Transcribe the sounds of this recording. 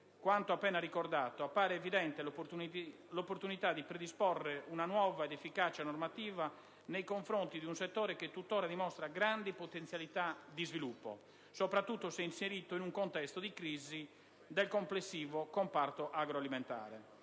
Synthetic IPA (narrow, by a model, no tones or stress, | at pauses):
kwant̪oapːɛːnaɾikɔrd̪aːt̪oapːaːɾeːviðɛnt̪elu | lopːoɾt̪unit̪ad̪ipɾed̪ispɔrːeunanwɔːvaɛd̪efːikat͡ʃanɔrmat̪iːva | nejkoɱfɾont̪id̪iunsɛt̪ːɔːɾɛket̪ːut̪ːɔːɾad̪imɔst̪ɾaɡɾand̪ipot̪ɛnt̪sjalit̪ad̪izvilupːo̰ | sɔpɾat̪ːut̪ːosɛinseɾiːt̪oinuŋkont̪ɛst̪od̪ikɾiːzi | d̪ɛlkomplesːiːvokɔmpart̪oʔaɡɾoalimɛ̃nt̪a̰ːɾɛ